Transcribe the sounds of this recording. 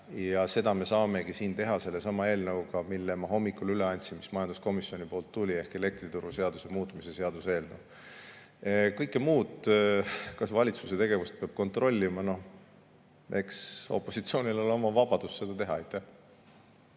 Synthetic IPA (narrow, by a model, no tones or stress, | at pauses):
jɑse̞d̪̥ɑme̞sɑːme̞ɡisiːnt̪e̞ɦɑse̞lːe̞sɑmɑe̞ːlnɤwkɑmilːemɑɦo̞mːikːˑulyle̞ɑnʲt̪sinmismɑjɑnd̪̥usko̞misio̞nʲipo̞ːlt̪ːulʲie̞hke̞le̞k̚t̪rit̪uɾuse̞ɑd̪̥usemuːt̪ːˑmise̞se̞ɑd̪useːlnə̰w | kɤjkːˑemuːd̪ | kɑsvɑlʲit̪suse̞t̪e̞ɡ̥e̞vust̪̚peɑb̥̚ko̞nt̪ˑro̞lʲːimɑno̞h | ʔekso̞̰pˑːo̞sit̪sio̞ːnʲilolo̞mɑvɑb̥ɑd̪̥usːe̞d̪ɑt̪e̞ɦɑejt̪ːˑæh